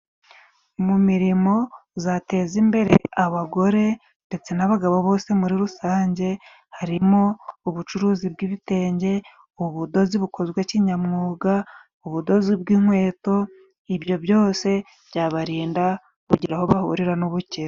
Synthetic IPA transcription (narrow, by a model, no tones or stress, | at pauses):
mumiɾimo̞zate̞zimbe̞ɾe̞̰aβaɡo̞ɾe̞ | nde̞t͡se̞naβaɡaβoβo̞ːse̞muɾiɾusaːɲɟe̞ | haɾimo̞ːβut͡ʃuɾuːzibɡiβite̞ːɲɟe̞ | oβudo̞ziβukʰo̞zɡweciːɲamŋuːɡa | uβudo̞zibɡiːŋwe̞ːto̞ | iβjo̞bjo̞ːse̞ | bɟaːβaɾiːnda | kuɟiɾaho̞βahṵɾiɾanuβuceɾo